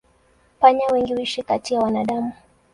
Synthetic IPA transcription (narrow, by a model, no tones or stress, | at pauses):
paɲawɛŋɡiwiʃikatiawanaɗamu